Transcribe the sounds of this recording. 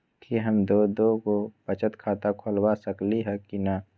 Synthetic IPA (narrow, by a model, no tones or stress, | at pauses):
kiɦəmd̪od̪okopət͡ʃət̪kʰaːt̪akʰolwasəkliɦɛkina